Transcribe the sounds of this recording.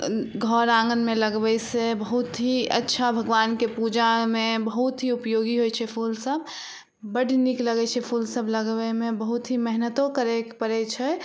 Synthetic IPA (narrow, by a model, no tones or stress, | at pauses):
ɡʱɔɾãŋɡənmeləɡbɛsebəɦut̪ɦiə̰tːʃʰabʱəɡʋaːnkepud͡ʒamẽbəɦut̪ɦiupjoɡiɦojt͡ʃʰɛpʰulsəb | bəɽnikləɡɛt͡ʃʰɛpʰulsəbʱləɡbɛmebəɦut̪ɦimɛɦnət̪okəɾɛkpəɾɛt͡ʃʰɛ